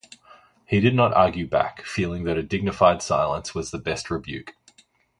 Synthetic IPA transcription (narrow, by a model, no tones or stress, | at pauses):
hiɾɨdⁿnəɾɑ̰ːɡjʉbæ̰kfilˠɪ̃ŋðɨɾɨdɪɡ̚nɨfaɪd̥saɪlˠə̃nswʌzðəbɛst̚ɹɨbjʉ̰ˑk